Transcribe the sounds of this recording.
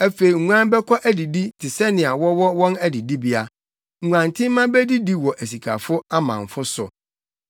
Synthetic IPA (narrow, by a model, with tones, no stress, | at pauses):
æ˦fe˨i˨ŋ̩˨ɲʷ˦ã˦nbɛ˦kʰɔ˦ʔæ˦di˨di˦tʰɪ˨sɛ˦nɪ̃˨a˨wɔ˦wɔ˦wɔ̃˦næ˦di˨di˦bi˦a˦ | ŋ̩˨ŋʷ˨ã˨n˨tʰɪ̃˦m˦mã˦bɛ˦di˦di˦wɔ˨ʔæ˨s̬i˨kʰa̰˨fʊ˦a˦mã̰˨ɱ˨fʊ˦sʊ̰˨